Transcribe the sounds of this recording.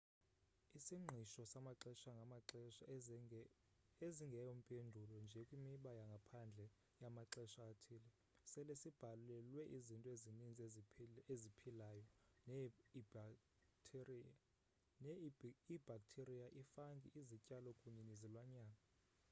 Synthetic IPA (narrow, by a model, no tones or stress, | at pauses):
isiŋ͡ǃʱiʃɔsamaǁɛʃaŋɡʱamaɛʃ | eziŋɡʱɛjom̩pʼendʱulɔnd͡ʒʱɛkʼwimiɓajaŋɡʱapʰand͡ɮʱɛ | jamaǁɛʃaːtʰiːlɛ | sɛlesib̥ʱalɛlwɛʔizintʼɔeinind͡zʱʼezipʰilaːjɔn | ib̥ʱak̚ʼtʰerijaʔifaŋɡʱiʔizicʼalɔkʼuɲɛnizilwaɲaːŋa